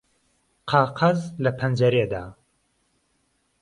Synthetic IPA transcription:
qʰɑːqʰɐzlɐpʰɐnd͡ʒɐɾeːd̪aː

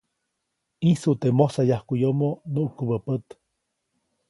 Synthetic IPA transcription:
isut̪emosajahkʷujomonuʔukəbəpət̪

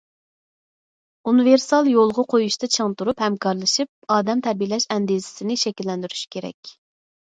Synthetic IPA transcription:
unɨveɾsɑlˠjolˠʁɑqʰojuʃt̪ɨt͡ʃʰəŋt̪uɾuphɛmkʰɑɾlˠɨʃip̚ɑːd̪ɛmt̪ʰæɾbilɛʃɛnd̪izɪ̥sɪnɪʃɛkʲilːɛnd̪yɾyʃkʲʰeɾɛ̰kʲ

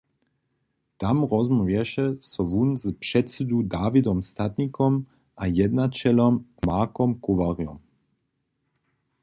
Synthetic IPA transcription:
t̪amʁɔzmɔvjɛʃɛsɔʋunzpʂɛt̪sid̪ud̪aːvid̪ɔmst̪at̪nikɔm | ʔajɛd̪nat͡ʃɛlɔmkmaːkɔmkuʋaʁjɔ̰m

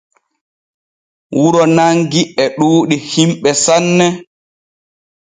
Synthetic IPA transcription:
wuɾɔnaŋɡiɛɗuːɗihimɓɛsanːɛ

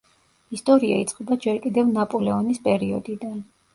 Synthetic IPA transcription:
ist̪ʼɔɾia̰it̪sʼqʼɛbad͡ʒɛɾkʼid̪ɛvnapʼɔlɛɔnispʼɛɾiɔd̪id̪an

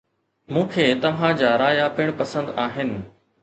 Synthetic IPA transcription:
mũːkʰeːt̪ɐʋ̤ãd͡ʑaːɾaːjapɪɽ̃pɐsə̃nd̪aːɦɪnɪ̆

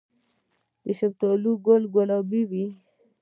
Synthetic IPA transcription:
d̪əʃab̚t̪oluɡolɡolabiwi

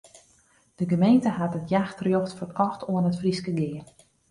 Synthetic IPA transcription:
d̥əɡəmejntəɦatətjaxtrjoxtfərkɔxtʰoənətfriskəɡɪːən

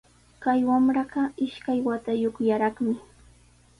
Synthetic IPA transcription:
kajwamɾɑɢɑɪʃkajwat̪ajoχjaɾɑχmɪ

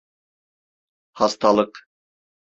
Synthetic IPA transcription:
hɑst̪ʰɑlˠɤq

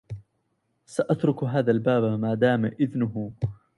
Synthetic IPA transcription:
saʔat̪ɾʊkɦaːðalbaːbmaːd̪aːmʔɪðnʊɦʊ

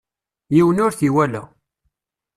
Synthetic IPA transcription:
jiwənʊɾθiwælæ̰

